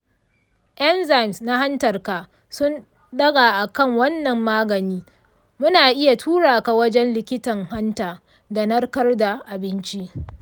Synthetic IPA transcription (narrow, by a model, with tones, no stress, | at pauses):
ʔɐ˦nza˨jmsna˦ɦa˦ntɐ˨rka˨ʔ | sʊ˦n | ɗɐ˦ɡaː˨ʔa˨kɐ˦˨ŋwɐ˦nːɐ˨mːaː˦ɡɐ˨niː˦ | mʊ˦naː˨ʔɪ˦ja˨tʰuː˦ɽaː˨ka˨wɐ˦d͡ʒɛ˦nlɪ˨kʲɪ˦tɐ˨ŋɦa˦ntaː˨ | da˨nɐ˦rkɐ˦rda˨ʔa˨bɪ˦nt͡ʃi˦ʔ